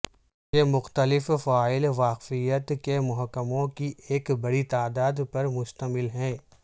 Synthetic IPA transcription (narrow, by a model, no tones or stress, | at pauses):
jemʊxt̪əlɪffaːɪlʋaːqfijət̪kemʊɦəkːəmõkiʔeːkbɐɽit̪aːd̪aːd̪pɐɾmʊʃt̪əmɪlɦɛ̃ː